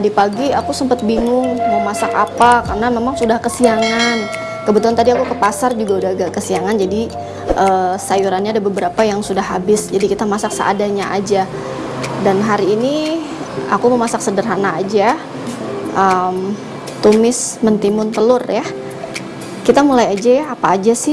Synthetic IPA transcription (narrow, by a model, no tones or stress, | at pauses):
t̪adipaɡiakusəmpət̪̚biŋʊŋməmasakapakarnamemaŋsudahkəsiaŋan | kəbət̪ulant̪adiakukəpasard͡ʒuɡaudaɡakəsiaŋand͡ʒadi | ʔəsajuɾanɲaːdabəbəɾapajaŋsudahɦabɪsd͡ʒadikit̪amasak̚sə̰a̰daɲaʔad͡ʒa | danɦaɾiːni | a̰kuməmasaksədərɦanaːd͡ʒa | ʔəm | t̪umɪsmənt̪imʊnt̪əlʊrja | kit̪amulajad͡ʒaapaːd͡ʒasɪ